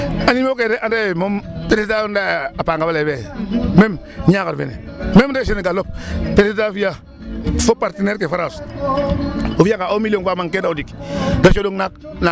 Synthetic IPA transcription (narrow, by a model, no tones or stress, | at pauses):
animoketeʔandamompeɾsandaapaŋɡabalebemem | akaɾfḛnḛ | memdeʃeneɡalop̚peɾsitafija | fopaɾtineɾkefaɾas | ofijakaomilionfamaŋketaudikdaʃodoŋnakna